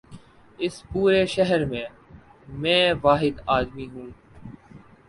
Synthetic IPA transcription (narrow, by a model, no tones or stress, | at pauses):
ɪspuːɾeːʃəɦəɾmẽː | mɛ̃ːʋaːɦɪd̪aːd̪miːɦũː